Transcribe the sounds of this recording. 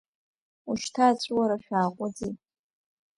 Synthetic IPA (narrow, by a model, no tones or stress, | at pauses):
uʃtʰaːt͡ɕʷʼwaɾaʃᶣaːqʷʼʊd͡zi